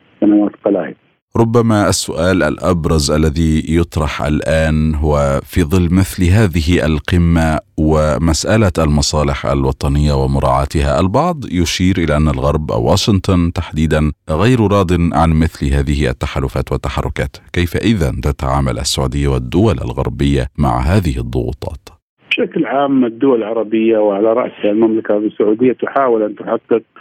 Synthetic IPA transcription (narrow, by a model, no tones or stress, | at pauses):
sanawaːt̪qɑlaːhɪd̪ | ɾˤʊbːamaʔasːʊʔaːlʔa̰lʔɑbɾˤɑzʔalːaðijʊt̪ˤɾˤɑħʔa̰lʔaːnɦʊwafiːðˤɨlːmɪθlɦaːðɪɦɪʔalqɪmːawɪmasʔalaʔalmɑsˤɑːlɪħʔa̰lwɑt̪ˤɑnɪjːawɪmʊɾˤɑ̰ːʕɑ̰ːt̪ɪhaʔalbɑʕd̪ˤjʊʃiːɾʔɪlaʔanːalɣɑɾˤbʔa̰wːa̰ːʃɪnt̪ˤʊnt̪aħd̪iːd̪anɣajɾɾˤɑːd̪ɪnʕanmɪθlɦaːðɪhɪʔa̰t̪ːaħaːlʊfaːt̪wat̪ːaħɑrˤːʊka̰ːt̪kajfaʔɪðant̪at̪a̰ʕaːma̰lʔa̰sːaʕuːd̪ɪjːawɪd̪ːʊwalʔa̰lɣɑ̰ɾˤbɪjːa̰ma̰ʕɦaːðɪhɪðˤːʊ̰ɣṵːt̪ˤɑ̰ːt̪ | bbɪʃaklʕaːmɪd̪ːʊwallʕɑɾˤɑbɪjːawʕalaɾˤɑ̰ʔsalmamlakasːaʕuːd̪ɪjːat̪ʊħaːwɪlʔant̪ʊħaɡ̪ːɪd̪̚